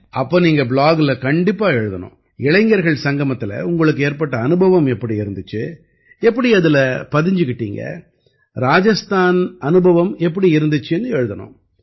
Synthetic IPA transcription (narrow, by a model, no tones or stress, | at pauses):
ɐpːoːniːŋɡɐbɭaːɡlɐkɐɳɖɪpːaːɛɻɯðɐnʊ̰̃ | ɪɭɐɪŋɡɐɾɣɐɭsɐŋɡɐmɐt̪ːɪlɐ̰ʊŋɡɐɭɯkːɯeːɾpɐʈːɐːnɯbʱɐʋɐmɛpːɐɽiɪɾɯnd̪ɯt͡ʃːɯ | ɛp̬ːɐɽiɐðɪlɐpɐðɪɲd͡ʒɯkːɪʈːḭːŋɡɐ̰ | ɾaːd͡ʒɐst̪aːnɐnɯbʱɐʋɐmɛpːɐɽiɪɾɯnd̪ɯt͡ʃːɯɛnːɯɛɻɯðɐnʊ̰̃ː